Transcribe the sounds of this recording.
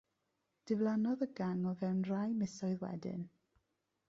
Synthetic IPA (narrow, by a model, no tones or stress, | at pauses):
d̥ɪvlˠanɔðəɡaŋɔvɛwnrajmɪsɔɨðwɛ̰dɪ̰n